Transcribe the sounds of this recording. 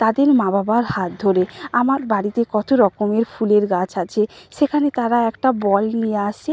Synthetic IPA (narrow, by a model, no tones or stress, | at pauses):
t̪ad̪eɾmãbabaɾhat̪̚d̪ʱoɾeamaɾbaɽit̪ekɔt̪oɾɔkomeɾfuleɾɡat͡ɕʰat͡ɕʰeʃekʰanet̪aɾaɛkʈabɔlnijeaʃe